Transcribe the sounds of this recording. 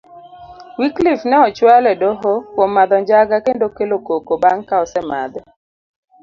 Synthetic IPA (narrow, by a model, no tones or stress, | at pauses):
wiklifnɛɔt͡ʃwalɛdoɦokwomːad̪ɔɲd͡ʒaɡakendokelokokobaŋkaɔsɛma̰d̪